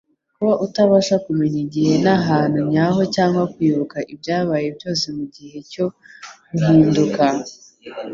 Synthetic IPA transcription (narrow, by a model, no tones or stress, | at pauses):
kuβaʔutaβaʃakume̞ɲiɟihe̞naɦaːn̥uɲaɦo̞caːŋɡwakwiːβukaʔibjaːβajebjo̞ːsemuɟihe̞co̞ | ɡuɦiːnduka